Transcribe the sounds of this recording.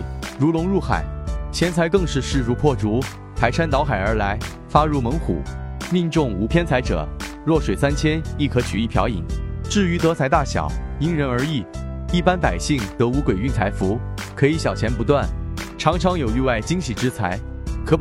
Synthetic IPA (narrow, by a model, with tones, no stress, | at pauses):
lu˧˥lʊ˧˥ŋɻu˥˩xa̰˨˩ɪt͡ɕʰjɛ˧˥nt͡sʰa˧˥ɪkɤ˥˧ŋʂɻ̩˥˧ʂɻ̩˥˧ɻu˥˧pʰwɔ˥˩ʈ͡ʂu˧˥ | p̪ʰa˧˥ɪʂa˥nt̪ɑ˧˥ʊxa˨˩ɪə˞˧˥la˧˥ɪ | fa˥ɻu˥˩mɤ˧˥ŋxṵ˨˩˦mi˥˧nʈ͡ʂʊ˥˩ŋu˧˥pʰjɛ˥nt͡sʰa˧˥ɪʈ͡ʂɤ̰˨˩˦lwɔ˥˩ʂwe˨˩sa˥nt͡ɕʰjɛ˥ni˥˩kʰɤ˧˥t͡ɕʰy̰˨˩i˥˩pʰjɑ̰˧˥ʊḭ˨˩ŋʈ͡ʂɻ̩˥˩y˧˥t̪ɤ˧˥t͡sʰa˧˥ɪt̪a˥˩ɕjɑ̰˨˩˦ʊi˥ŋɻə˧˥nə˞˧˥i˥˩i˥˩pa˥npa˨˩ɪɕi˥˩ŋt̪ɤ˧˥u˧˥kwe˨˩ɪy˥˩nt͡sʰa˧˥ɪfu˧˥kʰɤ˧˥i˧˥ɕjɑ˨˩ʊt͡ɕʰjɛ˧˥npu˧˥t̪wa˥˩nʈ͡ʂʰɑ˧˥ŋʈ͡ʂʰɑ˧˥ŋjo˨˩ʊy˥˧wa˥˩ɪt͡ɕi˥ŋɕi˨˩ʈ͡ʂɻ̩˥t͡sʰa˧˥ɪ | kʰɤ˧˥